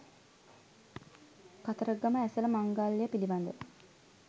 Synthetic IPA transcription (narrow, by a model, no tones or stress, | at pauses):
kat̪əɾəɡaməæsələmaŋɡalːijəpiliband̪ə